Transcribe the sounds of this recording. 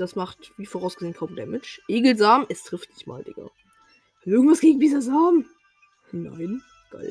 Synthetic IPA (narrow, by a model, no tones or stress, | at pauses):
d̥asmaχtviːfoːʁaʊsɡ̥əzeːənkʰaʊmdɛmɛt͡ʃʔeːɡl̩zaːmɛstʁ̥ɪftnɪçtma̰ːldɪ̰ŋɐ̰ | ɪɐɡŋ̩tv̥asɡ̥eːɡŋ̩diːzɐzaːm | na̰ɪn | ɡ̥a̰ɪl